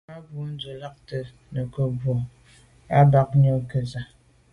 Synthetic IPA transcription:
a˦bu˨˦n̩˦d͡zə˨la˦k̚tə˨ | nə˨kə˨bwɔ˨ | a˦ba˦k̚ɲə˦ŋ˦kə˨za˨

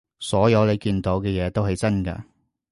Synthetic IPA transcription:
sɔː˨˥jɐ˨˧wle˨˧jkiː˧nt̪o˨˥wkɛː˧jɛː˨˧t̪o˥wɦɐ˨jt͡sɐ˥nkɐ̰ː˧

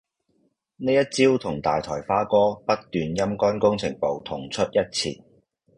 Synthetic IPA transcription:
neː˥jɐ˥t̚t͡siː˥wt̪ʰʊ˨˩ŋt̪aː˨jt̪ʰɔː˨˩jfaː˥kɔː˥pɐ˥t̚t̪yː˨njɐ˥mkɔː˥nkʊ˥ŋt͡sʰɪ˨˩ŋpo˨wt̪ʰʊ˨˩ŋt͡ʃʰɵ˥t̚jɐ˥t̚t͡sʰḭː˨t̚

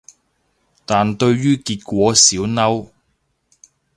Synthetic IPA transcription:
t̪aː˨nt̪ɵ˧ɥɥyː˥kiː˧t̚kʷɔː˨˥siː˨˥wnɐ˥w

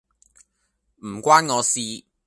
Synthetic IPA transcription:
m̩˨˩kʷaː˥nŋɔː˨˧siː˧

